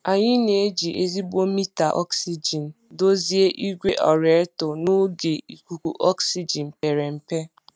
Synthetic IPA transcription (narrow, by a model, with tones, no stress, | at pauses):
a˨ɲɪ˦ne˨e˦d͡ʒi˨ʔe˦zi˦bo˦mi˦ta˨ʔɔ̰˦ksi˦d͡ʒi˨n̩˨ | do˦zi˦e˦ʔi˦ɡʷe˦ʔɔ˨ɾe˨˦tʊ˨nʊ˦ɡe˨i˨kʷu˨ku˨ʔɔ˦ksi˦d͡ʒi˨n̩˨pe˨ɾe˨m̩˨pe˦